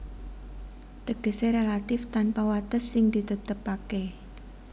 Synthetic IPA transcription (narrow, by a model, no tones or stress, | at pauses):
t̪əɡ̥ə̤seɾelat̪ɪft̪anpawat̪əsːɪŋd̪̥it̪ut̪əpake